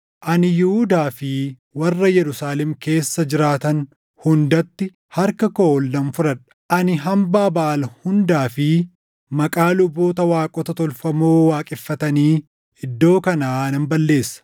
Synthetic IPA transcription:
ʔɐnɪjʊhʊd̪aːfɪ | wɐrːɐjɛɾʊsaːlɛmke̞ːsːɐd͡ʒɪɾaːt̪ɐn | hʊnd̪ɐt̪ːɪ | hɐɾkɐkɔɔlːɐnfʊɾɐᶑɐ̥ʔɐnɪɦɐmbaːbɐʔɐlhʊnd̪aːfɪ | mɐkʼaːlʊbːo̞ːt̪ɐwaːkʼɔt̪ɐt̪ɔlfɐmoːwaːkʼɪfːɐt̪ɐniː | ɪd̪ːo̞ːkɐnaːnɐmbɐlːe̞ːsːɐ̥

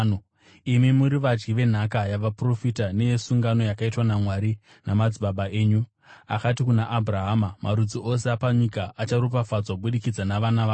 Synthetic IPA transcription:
imimuɾiʋad͡ʒɡiʋe̞n̤akajaʋapro̞fitane̞je̞suŋɡano̞jakaitwanamwaɾi | namad͡ziɓaɓaʔe̞ːɲu | a̰kat̬ikunaʔabʱuraɦamamaɾud͡ziʔo̞seapaɲikaʔːt͡ʃaɾup̬afad͡zwaɓuɗikid͡zanaʋanaʋaː

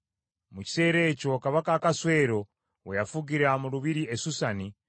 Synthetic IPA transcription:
muci̥se̞ːɾe̞ːco̞kaβakakaswe̞ːɾo̞ | wejafuɡiɾamuɾuβiɾiesusani

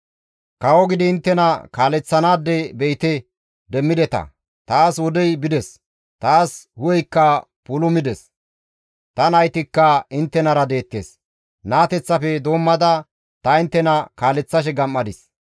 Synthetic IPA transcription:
kɐwɔɡɪd̪ɪːnt̪ːɛnɐkaːlɛt͡sːɐnaːd̪ːɛbɛjt̪ɛ | d̪ɛmːɪd̪ɛt̪ɐ̰ | t̪aːswɔd̪ɛjbɪd̪ɛs | t̪aːshʊjɛjkːɐ | pʊlʊmɪd̪ɛs | t̪ɐnɐjt̪ɪkːɐɪnt̪ːɛnɐɾɐd̪e̞ːt̪ːḛːs | naːt̪ɛt͡sːɐfɛd̪o̞ːmːɐd̪ɐ | t̪ɐɪnt̪ːɛnɐkaːlɛt͡sːɐʃ̬ɛɡɐmːɐd̪ɪs

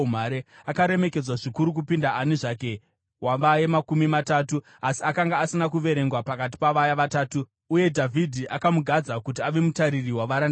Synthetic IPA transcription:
m̤aɾeakaɾe̞me̞ke̞d͡zwaʐikuɾuk̬upindaʔaniʐaːke̞ | waʋajemakumimataːtu | asi̥akaŋɡaːsinakuʋe̞ɾe̞ŋɡwapakat̬i̥paʋajaʋataːtuː | je̞dʱavʱidʱiʔakamuɡʱad͡zakut̬iaʋe̞mutaɾiriwaʋaɾan

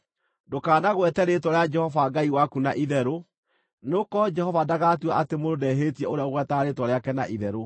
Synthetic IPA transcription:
dokaːnaɣwɛtɛɾetwɔɾjad͡ʒɛhɔvaɡaiwakuna̰ʔiðɛɾo | nokɔd͡ʒɛhɔvadaɣatuaʔatemoɾodɛɦetiɛoɾeaoɣwɛtaɾeːtwɔɾeakɛna̰ʔiðɛɾo

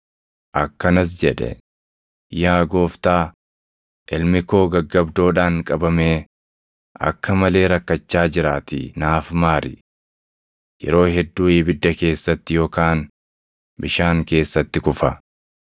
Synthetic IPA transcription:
ʔɐkːɐnɐs̬d͡ʒɛᶑɛ̰ | jaːɡo̞ːft̪aː | ʔɪlmɪko̞ːɡɐɡːɐbd̪o̞ːᶑaːŋkʼɐbɐme̞ː | ʔɐ̰kːɐmɐle̞ːɾɐkːɐt͡ʃːaːd͡ʒɪɾaːt̪ɪ̰naːfmaːɾɪ | jɛ̰ɾo̞ːɦɛd̪ːuːɪːbɪd̪ːɐke̞ːsːɐt̪ːɪjo̞ːkaːn | bɪʃaːŋke̞ːsːɐt̪ːɪkʊfɐ

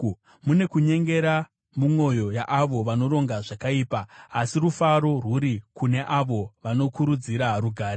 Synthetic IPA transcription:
mune̞kuɲe̞ŋɡe̞ɾa | mumwo̞jo̞jaʔːʋo̞ʋano̞ɾo̞ŋɡaʐakaiːpaːsirufaɾo̞ruɾikune̞ʔaʋo̞ʋano̞kuɾud͡ziɾaɾuɡʱaːɾe

